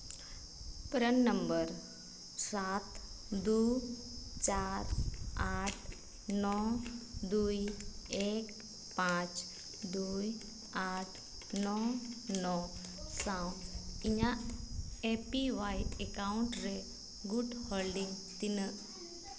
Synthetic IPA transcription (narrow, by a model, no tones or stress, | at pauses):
pɾənːəmbəɾ | saːt̪ | d̪u | t͡ʃaːɾaːʈʰ | nɔd̪uːjeːk | pãt͡ʃ | d̪uj | aːʈʰ | nɔnɔ | sãwiɲã | epiʋajekaʊɳʈɾe | ɡuɖhɔlɖiŋɡt̪inə